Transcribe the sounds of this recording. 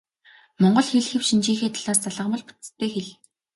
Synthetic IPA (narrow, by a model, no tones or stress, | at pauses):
mɔɴɢɞ̆ɮxeɮxĕwʃint͡ɕiːŋxeːt̪ʰaɮaːrt͡saɮə̆ʁmə̆ɮpʊ̥t͡st̪ʰːeːxeɮ